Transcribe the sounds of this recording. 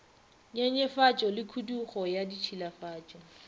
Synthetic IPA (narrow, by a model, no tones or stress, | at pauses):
ɲɛɲɛfat͡ʃʼɔlɪkʰuduχɔjadit͡ʃʰilafaːt͡ʃʼɔ